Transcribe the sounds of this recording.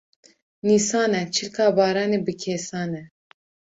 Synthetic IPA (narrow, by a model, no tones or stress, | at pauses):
niːsɑːnɛt͡ʃʰilkʰɑːbɑːɾɑːneːbɨkʲʰeːsɑːnɛ